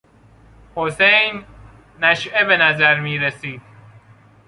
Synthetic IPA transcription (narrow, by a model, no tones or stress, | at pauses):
hosejnː | æʃebenæzæɾmiːɾesiːd̪̥̚